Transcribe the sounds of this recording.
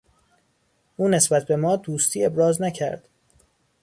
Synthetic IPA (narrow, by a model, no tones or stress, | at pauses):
ʔuːne̞sbæt̪̚ʰbe̞mɒːd̪uːst̪ʰiːe̞bɾɒːznæcʰæ̰ɾd̪̥